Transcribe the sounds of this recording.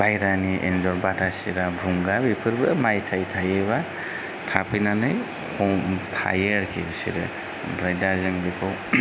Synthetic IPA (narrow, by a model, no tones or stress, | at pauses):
bajɾaniʔḛnzɔɾbatʰasiɾabɾuŋɡabipʰɯɾbɯmajtʰajtʰajeβa | tʰapʰɯjnanɯj | hʰɔmtʰa̰jeɾkʰibɯsḭɾɯ̰ | bɾajdazɯŋbikʰɔw